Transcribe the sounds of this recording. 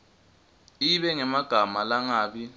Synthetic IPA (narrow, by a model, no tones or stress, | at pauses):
iɓɛŋɛmaɡ̥ʱamalaŋaːɓi